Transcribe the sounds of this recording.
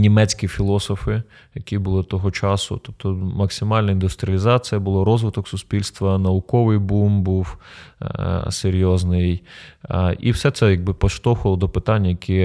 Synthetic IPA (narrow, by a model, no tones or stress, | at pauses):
nʲimɛt͡sʲkʲifʲilˠɔsɔfɪ | jɐkʲibʊlˠɪt̪ɔɦɔt͡ʃɑsʊ̰t̪ɔpt̪ɔmɐksʲɪmɑlʲnɐɪnd̪ʊst̪ɾʲɪɐlʲɪzɑt͡sʲijɐbʊlˠɔɾɔzʋɪt̪ɔksʊspʲilʲst̪ʋɐnɐʊkɔʋɪjbumbuw | seɾʲjɔznɪj | ḭwsɛt̪sɛjɐɡ̚bɪpɔʃt̪ɔxʊlˠɔd̪ɔpɪt̪ɑnʲːɐjɐkʲʰi